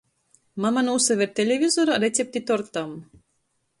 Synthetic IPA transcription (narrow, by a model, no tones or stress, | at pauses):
mamanuːsavʲeɾt̪ʲelʲevʲizoɾaɾet̪sʲep̚t̪ʲit̪ɔɾt̪am